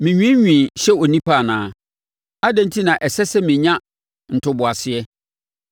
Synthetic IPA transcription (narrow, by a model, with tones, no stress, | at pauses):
mɪ̃˨ɲᶣĩ˦ɲᶣĩ˨ɕɛ˦ɔ˨nĩ˦pa˦˨nãː˨˦ | a˦dɛ̃˨n˦tʰi˦nã˨ʔɛ˨sɛ˦sɛ˦mĩ˨ɲã˦ | n̩˨tʰʊ˦bʊ˨a˨sɪ˦ɛ˦